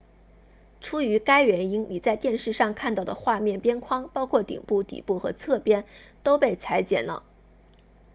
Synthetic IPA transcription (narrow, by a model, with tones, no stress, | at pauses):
ʈ͡ʂʰu˥y˧˥ka˥ɪɥɛ˧˥ni˥ŋni˨˩t͡sa˥˧ɪt̪jɛ˥˧nʂɻ̩˥˧ʂɑ˥˧ŋkʰa˥˧nt̪ɑ˥˩ʊd̪ə˩xwa˥˧mjɛ˥˩npjɛ˥nkʰwɑ˥ŋpɑ˥ʊkʰwɔ˥˩t̪ḭ˨˩ŋpu˥˩t̪ḭ˨˩pu˥˩xɤ̰˧˥t͡sʰɤ˥˩pjɛ˥n | t̪o˥ʊpe˥˩ɪt͡sʰa˧˥ɪt͡ɕjɛ̰˨˩nlə̰˧˩